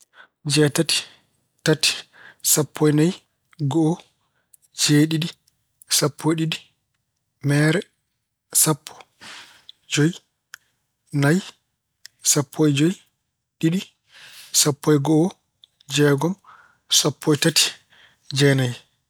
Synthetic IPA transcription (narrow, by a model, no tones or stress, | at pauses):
d͡ʒɛːtati̥ | tati̥sapʰːɔjnaj | ɡɔː | d͡ʒeːɗiɗi | sapʰːɔjɗiɗi | mɛːɾɛ | sapʰːɔ̥ | d͡ʒoj | naj | sapʰːɔjd͡ʒoj | ɗiɗi | sapːɔjɡɔ | d͡ʒɛːɡɔm | sapʰːɔjtati̥ | d͡ʒɛnaj